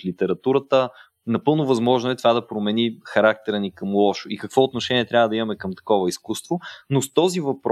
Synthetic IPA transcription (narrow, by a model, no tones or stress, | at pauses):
lit̪ɛɾɐt̪uɾət̪ə | nɐpɤlˠnʊvɐzmɔʒnoɛt̪ovad̪ɐpɾomɛnixɐɾak̚t̪ɛɾənikɐmlˠɔʃʊikɐkvɔːt̪noʃɛnʲiɛt̪ɾʲavəd̪ɐimɐmɛkɐmt̪ɐ̥kɔvəiskust̪vonost̪ɔzivɐpɾ